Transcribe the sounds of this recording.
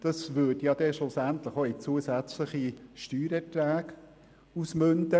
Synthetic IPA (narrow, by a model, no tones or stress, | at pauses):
d̥ɑsvʏɾd̥jɑd̥̪ɛʃlʊsænt̪ləχoit͡suːəsæt͡sləχiʃtyːɾɛtɾæːɡ | usmɵnd̪ə